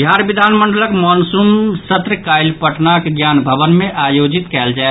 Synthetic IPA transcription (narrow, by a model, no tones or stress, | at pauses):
bʱjaɾbid̪ʱanməɳɖələkmɔnsumsət̪ɾəkajlpəʈʰnakɡjanbʱəbənmeʔajod͡ʒit̪kɛld͡ʒae